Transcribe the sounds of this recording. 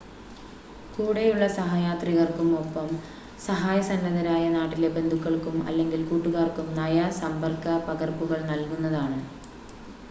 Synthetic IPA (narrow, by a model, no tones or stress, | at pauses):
kuːɽejuɭːɐsɐɦaːjaːt̪riɣɐrkumo̞pːɐm | sɐɦaːjɐsɐnːɐðɐɾaːjɐnaːʈːile̞be̞nd̪ʱukːɐɭkumɐ̰lːe̞ŋɡilkuːʈːuɣaːrkumnɐjɐsɐmbɐrkːɐpɐɣɐrpuɣɐɭnɐlkunːɐðaːɳɨ